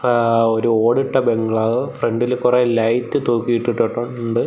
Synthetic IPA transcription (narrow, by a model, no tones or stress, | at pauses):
oɾuoːɽiʈːɐbe̞ŋɡɐɭaːʋɨfreɳɖilkurelɐjtːɨt̪uːkːijiʈːiʈːoʈːoɳɖɨ